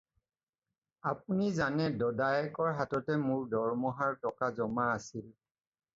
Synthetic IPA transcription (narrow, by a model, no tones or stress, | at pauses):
ap̚unizanɛdɔdajɛkɔɹɦatɔtɛmʊɹdɔɹmɔɦaɹtɔkazɔmaːsil